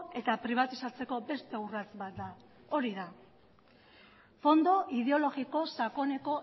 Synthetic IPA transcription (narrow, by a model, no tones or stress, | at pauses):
e̞t̪apɾiβ̞at̪isat͡se̞ko̞be̞st̪e̞urat͡sbat̪̚d̪a | o̞ɾiða | fo̞nd̪o̞ʔið̞e̞o̞lo̞ɣiko̞sako̞ne̞ko̞